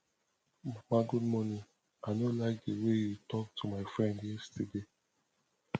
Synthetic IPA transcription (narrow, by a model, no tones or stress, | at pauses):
mamaɡud̚mɔnĩ | aɪnolaɪk̚dewejutɔk̚tʰumaɪfɹɛ̃ndjɛstede